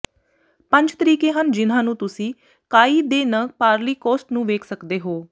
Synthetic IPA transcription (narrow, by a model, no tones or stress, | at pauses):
pə̃ɲd͡ʒt̪əɾiːkeːɦənd͡ʒɪnãːnũːt̪ʊsĩː | kaːiːd̪eːnəpaːɾliːkɔːsʈnũːʋeːkʰsəkd̪eːɦoː